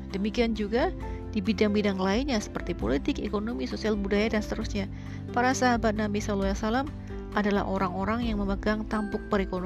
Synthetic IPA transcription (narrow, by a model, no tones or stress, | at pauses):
dəmikiand͡ʒuɡa | dibidaŋbidaŋlaɪnɲasə̥pərt̪ipolit̪ɪkḛkonomisosialbudajadansə̥t̪əɾusɲa | paɾasaɦabat̪̚namisaloasalam | adala̰ɦʔoɾaŋoɾaŋjaŋməməɡaŋt̪ampʊk̚bəɾekon